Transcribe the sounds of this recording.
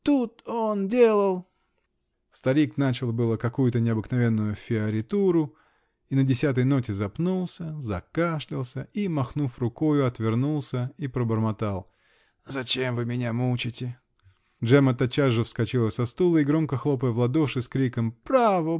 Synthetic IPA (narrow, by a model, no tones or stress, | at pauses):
t̪ut̪ondʲelˠəlˠ | st̪ɐɾʲiknat͡ɕɪlˠbɨlˠəkɐkujʊt̪ənʲɪɐbɨknɐvʲe̞nːʊjʊfʲɪɐɾʲɪt̪uɾʊ | inədʲɪsʲat̪əjnotʲɪzɐpnulˠsʲəzɐkaʂlʲɪlˠsʲəimɐxnufrʊko̞jʊɐt̪vʲɪrnulˠsʲəipɾəbərmɐt̪alˠ | zɐt͡ɕemvɨmʲɪnʲamut͡ɕɪtʲɪ | dʐɛmət̪ɐt͡ɕaʐːɨfskɐt͡ɕilˠəsʲɐst̪ulˠəiɡɾo̞mkəxlˠo̞pəjəvlˠɐd̪oʂɨskɾʲikəmpɾavə